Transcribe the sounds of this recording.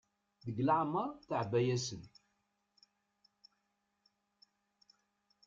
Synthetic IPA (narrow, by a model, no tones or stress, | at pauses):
ðəɡlaʕmːəɾˤθəʕbæjæsən